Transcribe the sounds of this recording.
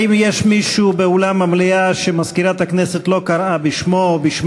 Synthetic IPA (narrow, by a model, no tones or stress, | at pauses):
imjeʃmiʃubeulamːamliaʃemaskiɾat̪hakneset̪lo̞kaɾʔabiʃmobiʃm